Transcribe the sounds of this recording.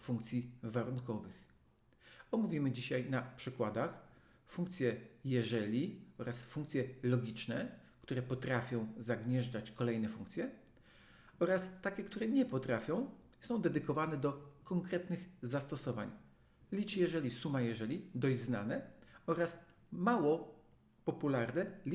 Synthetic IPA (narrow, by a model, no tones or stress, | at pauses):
fuŋkt̪sʲjivaɾuŋkɔvɘx | ɔmuvʲimɘd͡ʑiɕajnapʂɘkwad̪ax | fũŋkt̪sʲjɛjɛʐɛlʲiɔɾasfuŋkt̪sʲjɛlɔɡʲit͡ʂnɛkt̪uɾɛpɔt̪ɾafʲjɔ̃w̃zaɡɲɛʐd͡ʐat͡ɕkɔlɛjnɛfṵ̃ŋk̚t̪sʲjɛ | ɔɾast̪akʲɛkt̪uɾɛɲɛpɔt̪ɾafʲjɔ̃w̃ | sɔ̃w̃d̪ɛd̪ɘkɔvanɛd̪ɔkɔŋkɾɛt̪nɘɣzast̪ɔsɔva̰ɲ | lʲit͡ʂjɛʐɛlʲisumajɛʐɛlʲid̪ɔʑzna̰nɛɔɾas | mawɔ | pɔpulaɾnɛlʲ